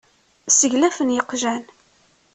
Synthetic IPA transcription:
səʝlæfənjəqʒæn

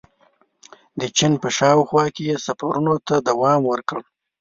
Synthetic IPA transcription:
d̪ət͡ʃɪnpəʃɑwxwɑkejesafaɾunot̪ad̪awɑmwəɾkəɽ

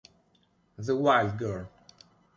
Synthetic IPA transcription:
ðəwaɪld̚ɡɜl

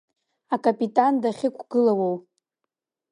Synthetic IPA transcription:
akʼapʼitʼandaχʲɪkʷʰɡ̥ɨlawow

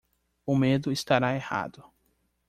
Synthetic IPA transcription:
ʊmed̪ʊist̪aɾaeha̰d̪ʊ

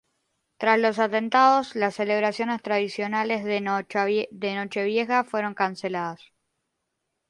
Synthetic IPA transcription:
t̪ɾaslo̞sat̪e̞nt̪aðo̞slasːe̞le̞β̞ɾasjo̞ne̞st̪ɾað̞isjo̞nalezð | ðeno̞t͡ʃe̞βje̞xafwe̞ɾo̞ŋkanse̞laðas

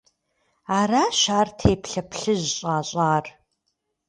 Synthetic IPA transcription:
aːɾaːʃaːrtʰeːpɬɐpɬɨʑɕʼaːɕʼaːr

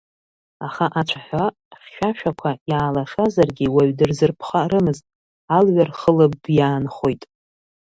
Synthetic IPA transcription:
aχaʔat͡ʃʷʰaħʷa | χʲʃʷᶣaʃᶣakʷʰajaːlaʂazarɡʲiwaɥdɨrzɨrpʰχarɨmɨztʼ | alɥarχəlɨbjaːnχo̞jtʼ

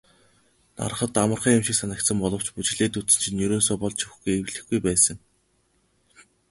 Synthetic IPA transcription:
na̰ɾ̆χə̆t̪amə̆rχiːŋʊmʃɪ̆ksanə̆kt̪sə̆mpɔɮɞ̆w̥t͡ɕput͡ɕ̆ɮeːt̪ut͡sɘ̆nt͡ɕʰĭnjɵɾoːns̬ʊːpɔɮt͡ɕʰiwxɡujewɮɘ̆xɡujpæːsə̆ŋ

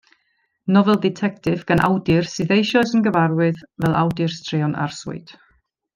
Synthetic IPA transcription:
nɔvɛlˠdɛtʰɛk̚tɪvɡ̥anʔa̰wdɪrsɨðejʃɔsənɡəvarwɨðvɛlˠʔa̰wdɨrstreɔnʔa̰rsʊ̰ɨd̥

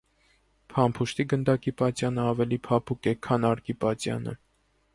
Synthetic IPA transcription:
pʰɑmpʰuʃt̪iɡənd̪ɑkipɑt͡sjɑnəɑvɛlipʰɑpʰukɛkʰɑnɑɾkipɑt͡sjɑ̰nə̰

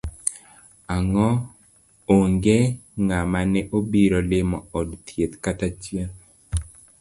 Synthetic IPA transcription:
aŋɔ | oŋɡeŋamanɛʔobiɾɔlɪmɔɔdt̪jet̪katat͡ʃjal

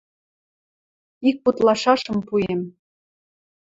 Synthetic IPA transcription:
ik̚put̪lɑʃɑʃɤ̆mpujem

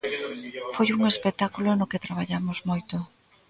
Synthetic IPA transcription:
fojuŋespet̪akulonoket̪ɾaβ̞aʎamozmojt̪ʊ

